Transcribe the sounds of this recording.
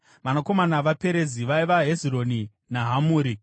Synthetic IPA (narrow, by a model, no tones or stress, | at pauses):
ʋanako̞manaʋape̞ɾe̞ziʋaiʋaɦezironi | naɦamuːɾi